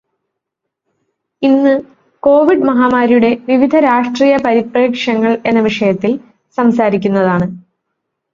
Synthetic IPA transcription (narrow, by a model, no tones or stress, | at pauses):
inːɨ | ko̞ːʋiɖmɐɦaːmaːɾijuɽe̞ʋiʋid̪ʱɐɾaːʂʈriːjɐpɐɾipreːkʂɐŋːɐɭe̞nːɐʋiʂɐjɐt̪ːil | sɐmsaːɾikʲːunːɐðaːɳɨ